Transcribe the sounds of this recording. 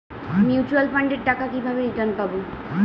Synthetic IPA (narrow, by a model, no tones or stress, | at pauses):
mjut͡ɕualfaɳɖeɾʈakakibʱabeiʈanpabo